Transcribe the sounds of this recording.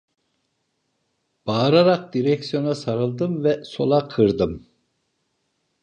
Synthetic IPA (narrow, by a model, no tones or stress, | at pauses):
b̥aːɾaɾaq̚d̪iɾɛksijo̞nasaɾɯlˠd̪ɯmvɛso̞̰lˠaqʰɯɾd̪ɯm